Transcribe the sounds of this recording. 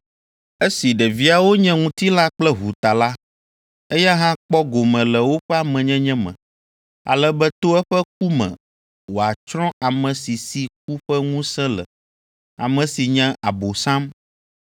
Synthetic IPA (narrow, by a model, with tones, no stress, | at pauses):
e˦si˨ɖɛ˨vi˦a˨wo˦ɲɛ̃˦ŋũ˦t̪i˦la˦k͡plɛ˦ɦu˨t̪a˨la˦ | e˦ja˦ɦã˦k͡pɔ˦ɡo˨mɛ̃˨lɛ˨wo˦ɸɛ˦a˨mɛ̃˨ɲɛ̃˦ɲɛ̃˦mɛ̰̃˨ | a̰˨lɛ˦bɛ˦t̪o˦ɛ˦ɸɛ˦k̚u˦mɛ̰̃˨ | wo˨a˨t͡ʃɾɔ̃˦a˨mɛ̃˨si˨si˨k̚u˦ɸɛ˦ŋũ˦sɛ̃˦lɛ̰˨ | a̰˨mɛ̃˨si˨ɲɛ̃˦ʔa˨bo˨sã˦m